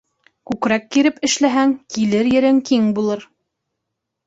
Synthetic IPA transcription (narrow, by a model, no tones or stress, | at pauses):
kʉkɾækːiɾɘpɘ̆ʃlæɦæŋkilɘɾjɘ̆ɾɘŋkiŋbulˠɤɾ